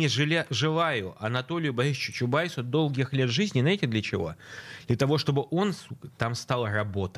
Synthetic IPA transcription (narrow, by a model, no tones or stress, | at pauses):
ɪʐɨlʲʐɨlˠajʊʔɐnɐt̪o̞lʲɪjʊbɐɾʲist͡ɕʊt͡ɕʊbajɪsd̪o̞lˠɡʲɪxlʲe̞t̪ʐɨzʲnʲɪnɐɛtʲɪd̪lʲət͡ɕɪvo̞d̪̥lʲət̪ɐvo̞ʂt̪o̞bɨʔo̞nt̪amst̪ɑlˠrɐbo̞t̪ə